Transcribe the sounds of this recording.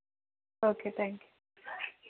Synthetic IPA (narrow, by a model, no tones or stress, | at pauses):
okʰet̪ʰæ̃ŋkju